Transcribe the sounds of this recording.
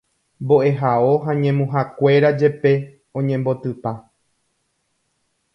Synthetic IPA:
mbo̞ʔe̞ɦao̞ɦaɲẽ̞mũɦakʷe̞ɾad͡ʒe̞pe̞ | õ̞ɲẽ̞mbo̞t̪ɨpa

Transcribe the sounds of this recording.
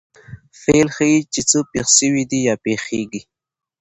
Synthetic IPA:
felxəit͡ʃet͡sopexʃəwid̪ijɑpexeɡi

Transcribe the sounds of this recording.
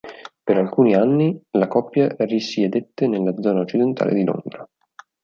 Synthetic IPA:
peɾalkuːnianːilakɔpːjarisied̪et̪ːenelːad̪zːɔːnaot͡ʃːid̪ent̪a̰ːlḛd̪ilo̰nd̪ɾa

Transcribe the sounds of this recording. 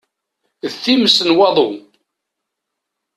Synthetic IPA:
ðθiməsənwɑðˤo

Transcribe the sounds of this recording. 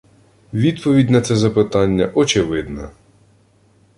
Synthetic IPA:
ʋʲid̪pɔʋʲidʲnɐt̪sɛzɐpɪt̪ɑnʲːɐʔɔt͡ʃɪʋɪd̪nɐ

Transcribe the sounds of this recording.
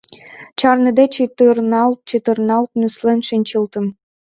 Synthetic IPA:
t͡ɕɑrnəd̪et͡ɕit̪ərnɑlt̪̚t͡ɕit̪ərnɑlt̪nyslenʃinʲt͡ɕəlt̪əm

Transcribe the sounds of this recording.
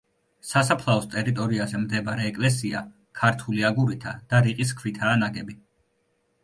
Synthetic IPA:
sasapʰlˠaɔst̪ʼɛɾit̪ʼɔɾiazɛmd̪ɛbaɾɛːkʼlɛs̬ia̰ | kʰaɾt̪ʰuliaɡuɾit̪ʰad̪̥aɾiqʼis̬kʰvit̪ʰaːnaɡɛbi

